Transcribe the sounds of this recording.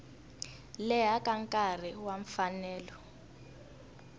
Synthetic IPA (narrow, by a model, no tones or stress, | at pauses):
lɛɦakaŋkʼar̤iwaɱfanɛːlɔ